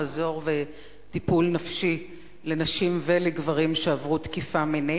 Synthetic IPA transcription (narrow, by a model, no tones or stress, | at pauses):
zo̞ʁve | tipulnafʃi | le̞naʃimveleɡvaʁimʃeavʁutkifamine